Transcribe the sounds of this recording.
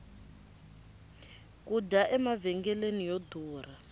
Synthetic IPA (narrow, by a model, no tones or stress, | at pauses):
kudaʔɛmavɛŋɡɛlenijoduːra